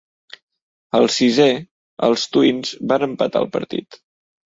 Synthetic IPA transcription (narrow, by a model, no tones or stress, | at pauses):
əlˠsize | ə̰lˠst̪uinzbanəmpət̪a̰lˠpə̰ɾt̪ḭt̪